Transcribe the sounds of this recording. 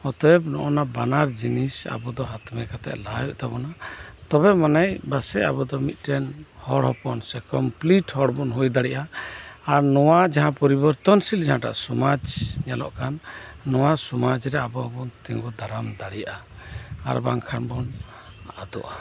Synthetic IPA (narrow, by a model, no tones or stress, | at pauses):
hɔt̪ɔjɔb̚nɔʔɔnabanaɾd͡ʒinisa̰bɔd̪ɔɦat̪mɛkat̪ɛ̰ʔlajɔʔt̪abɔnat̪ɔbɛmanajbasɛa̰bɔd̪ɔmit̪̚ˀʈɛnhɔɽɦɔpɔnsɛkɔmpliʈhɔɽbɔnɦujd̪aɽiʔaː | ɾnɔwad͡ʒaɦãpɔɾibɔɾt̪ɔnsild͡ʒaɦãʈa̰ʔsɔmad͡ʒɲalɔʔkanːɔwasɔmad͡ʒɾɛabɔbɔnt̪ĩŋɡɔd̪aɾamd̪aɽijaʔa | a̰ɾbaŋkʰanbɔn | ad̪ɔ̰ʔa